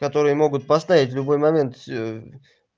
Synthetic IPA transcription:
kɐt̪o̞ɾɨjəmo̞ɡʊt̪̚pɐst̪avʲɪtʲvlʲʊbo̞jmɐmʲe̞nt̪fsʲo

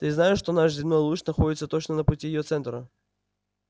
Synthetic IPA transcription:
t̪ɨznajɪʂːt̪onaʂzʲɪmnojlˠut͡ɕnɐxodʲɪt̪sət̪ot͡ɕnənəpʊtʲijɪjot̪sɛnt̪ɾə

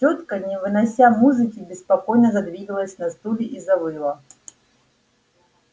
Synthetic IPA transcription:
t͡ʃot̪kənʲɪvɨnɐsʲamuzɨkʲɪbʲɪspɐkojnəzɐd̪vʲiɡəlˠəsʲnɐst̪ulʲɪʔizɐvɨlˠɐ

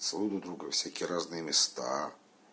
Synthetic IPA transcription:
svˠud̪ud̪ɾuɡəfsʲækʲɪjəɾaznɨjəmʲɪst̪a̰

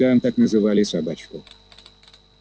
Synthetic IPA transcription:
ant̪aknəzɨvalʲɪsabat͡ɕkʊ

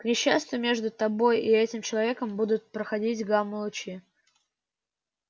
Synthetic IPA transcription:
knʲɪɕːast̪vʲʊmʲe̞ʐd̪ʊt̪ɐbo̞jʔɪɛtʲɪmt͡ɕɪlˠɐvʲe̞kəmbud̪ʊt̪̚pɾəxɐdʲitʲɡamʊlˠʊt͡ɕi

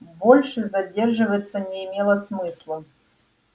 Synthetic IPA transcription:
bolʲʂɨzɐdʲerʐɨvəjt̪sːənʲɪɪmʲelˠɐsmɨslˠə

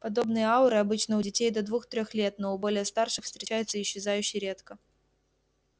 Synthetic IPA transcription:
pɐd̪o̞bnɨjəaʊɾɨɐbɨt͡ɕnəʊdʲɪtʲejd̪əd̪vuxt̪ɾʲoxlʲe̞t̪noʊbo̞lʲɪjəst̪arʂɨxfst̪ɾʲɪt͡ɕæjɪt̪səɪɕːɪzajʉɕːɪjɾʲet̪kə

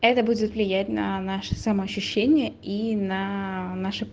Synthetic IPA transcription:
ɛt̪əbudʲɪt̪vlʲɪjætʲnɐ̰naʂɨ̥sɐməɐɕːʉɕːenʲɪjəʔinɐnaʂɨ

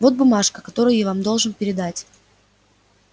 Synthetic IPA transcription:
vo̞t̪̚bʊmaʂkəkɐt̪o̞ɾʊjjavamd̪o̞lˠʐɨnpʲɪɾʲɪd̪atʲ

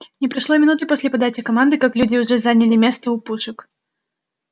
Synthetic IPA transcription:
nʲɪpɾɐʂlˠomʲɪnut̪ɨposʲlʲɪpɐd̪at͡ɕɪkɐmand̪ɨkaklʲudʲɪʊʐɛzanʲɪlʲɪmʲe̞st̪əʊpuʂɨk

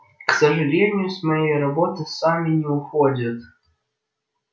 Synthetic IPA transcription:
ksɐʐɨlʲenʲɪjʊsʲmɐjejrɐbɔt̪ɨsamʲɪnʲɪʊxod͡zʲɐt̪

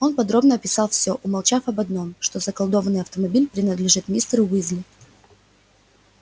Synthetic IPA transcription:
o̞npɐd̪ɾo̞bnəɐpʲɪsɑlˠfsʲo̞ʔʊmɐlˠt͡ɕafɐbɐd̪no̞mʂt̪o̞zəkɐlˠd̪o̞vənːɨjɐft̪əmɐbʲilʲpɾʲɪnəd̪lʲɪʐɨt̪mʲist̪ɾɨwizlʲɪ

